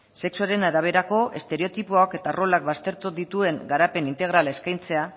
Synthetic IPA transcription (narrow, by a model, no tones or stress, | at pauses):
se̞ksuaɾe̞naɾaβ̞e̞ɾako̞ʔe̞̰st̪e̞ɾe̞o̞t̪ipuake̞t̪aro̞lak̚bast̪e̞ɾt̪uðit̪ue̞ŋɡaɾape̞nint̪e̞ɣɾalae̞skajnt͡se̞a